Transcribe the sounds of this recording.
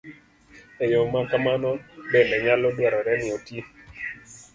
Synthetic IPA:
ejomakamanɔbɛnɛɲalɔdwɔɾɔɾɛnɪoti

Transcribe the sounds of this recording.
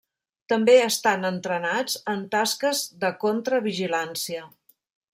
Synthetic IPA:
t̪əmbeəst̪anənt̪ɾənad͡zənt̪askəzðəkont̪ɾəβ̞iʒilansiə

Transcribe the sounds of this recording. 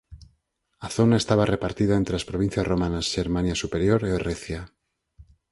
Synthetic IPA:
aθo̞nae̞st̪aβarepaɾt̪iðaent̪ɾelaspɾoβin̟θjasromanasʃe̞ɾmanjasupe̞ɾjoɾeereθja

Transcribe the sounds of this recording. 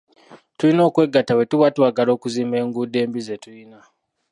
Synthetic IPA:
tulino̞ːkwe̞ɡːatawe̞tuwatwaːɡalo̞ːkuziːmbe̞ːŋɡuːde̞ːmbize̞tuina

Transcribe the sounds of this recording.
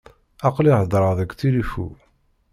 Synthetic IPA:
ɑqliʕəd̪ˤɾˤəʁðæɡt͡silifṵ

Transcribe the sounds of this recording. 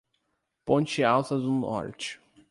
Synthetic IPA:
põnt͡ʃiawsɐd̪unɔ̰ɾt͡ʃɪ̥

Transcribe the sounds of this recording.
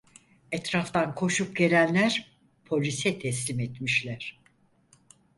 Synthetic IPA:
ɛt̪ɾaft̪ʰankʰo̞ʃup̚ɟe̞lʲænlʲæɾ̥ | pʰo̞lʲisɛt̪ʰɛslʲimɛt̪miʃlʲæɾ̥

